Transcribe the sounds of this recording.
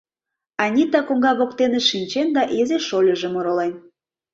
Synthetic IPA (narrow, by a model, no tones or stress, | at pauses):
ɑnʲit̪ɑkoŋɡɑβok̚t̪enĕʃinʲt͡ɕend̪ɑʔezeʃolʲə̆ʒĕmoɾolen